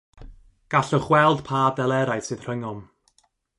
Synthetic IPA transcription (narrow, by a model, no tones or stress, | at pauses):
ɡ̥aɬɔχwɛlˠd̥pʰaːdɛlˠɛɾajsɨð̥r̥əŋɔm